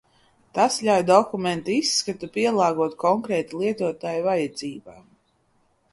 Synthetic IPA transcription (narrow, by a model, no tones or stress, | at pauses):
t̪asʎʲawd̪ɔkumɛ̃nt̪uisːkat̪upiɛlˠɑːɡuɔt̪kʰɔŋkɾɛːt̪ilˠiɛt̪uɔt̪aːjuvajad̪ziːbaː